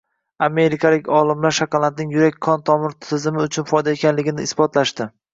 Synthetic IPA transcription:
ame̞ɾɪkʰalɪkʲɒlˠɪmlaɾʃakɑlat̪̚nɪŋjʊɾakʲkːʰɒnt̪ʰɒmɪɾt̪ʰɪzɪmɪʊt͡ʃʰʊnfɒjd̪aekʲanlɪɡʲɪnɪɪsbɒt̪laʃt̪ɪ

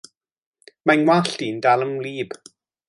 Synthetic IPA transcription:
manwaɬd̥iːndalˠəmliːb̥

